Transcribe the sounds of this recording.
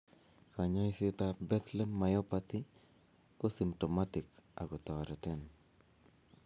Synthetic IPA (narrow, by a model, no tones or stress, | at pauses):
kaɲɔisɪt̪abɛt̪lɛmːajopat̪i | kosimtomat̪ɪka̰ɡɔt̪ɔaɾɛt̪ɛn